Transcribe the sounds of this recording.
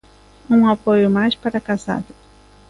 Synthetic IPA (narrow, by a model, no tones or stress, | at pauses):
ũapojʊmajspaɾɐkaza̰d̪ɐ